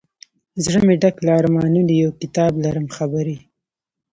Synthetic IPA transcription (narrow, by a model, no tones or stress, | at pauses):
zɽəmeɖaklaɑɾmɑnunijawkɪt̪ɑblaɾəmxabaɾi